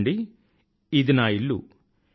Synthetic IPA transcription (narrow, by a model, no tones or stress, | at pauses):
ɳɖi | id̪inaːiɭːṵ